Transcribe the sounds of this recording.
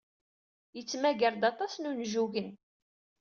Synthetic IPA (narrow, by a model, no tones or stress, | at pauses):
jət͡sːmæʝəɾd̪ɑt̪ˤɑsnunʒuʝən